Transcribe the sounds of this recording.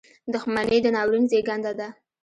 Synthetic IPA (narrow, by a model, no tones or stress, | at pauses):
d̪ʊxmanəjd̪ənɑwɾinzeɡand̪ad̪a